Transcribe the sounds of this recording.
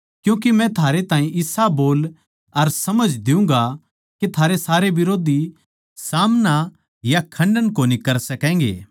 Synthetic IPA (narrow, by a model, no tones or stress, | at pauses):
kjũːk̬imɛ̃t̪ʰaːɾet̪ãːĩʔɪsaboːl | ɐɾsɐməd͡ʒd̪ɪũŋ̆ɡa | ket̪ʰaːɾesaːɾeʋɪɾoːd̪i | saːmna | jakʰɐ̃ɳɖənkoːnikɐɾsɐkɛ̃ːŋɡḛː